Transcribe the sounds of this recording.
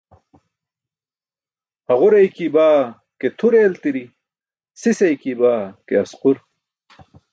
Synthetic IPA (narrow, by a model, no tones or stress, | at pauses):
ɐʁuɾɐjkibaː | ket̪ʰuɾeːlt̪iɾi | sisɐjkibaːkeɐsquɾ